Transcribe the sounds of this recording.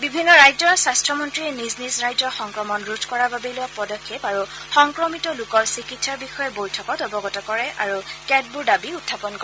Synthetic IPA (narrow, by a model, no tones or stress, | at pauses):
bibʱinːɔɹajzɔɹsastɹɔmɔntɹiɛniznizɹajd͡ʒɔɹxɔŋkɹɔmɔnɹutkɔɹababɛlʊjɔpɔdɔkʰːepaɹu | xɔŋkɹɔmitɔlʊkɔɹsikitsaɹbixɔjɛbojtʰɔkɔtɔbɔɡɔtɔkɔɹɛʔaɹukɛd̚budabiutʰːapɔnkɔɹɛ